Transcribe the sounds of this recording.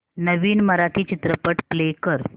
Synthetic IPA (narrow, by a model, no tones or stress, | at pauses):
nəʋiːnməɾaʈʰiːt͡ɕit̪ɾəpəʈplekəɾ